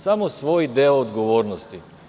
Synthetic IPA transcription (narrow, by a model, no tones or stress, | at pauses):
samosʋojd̪eoːd̪ɡoʋoːɾnost̪i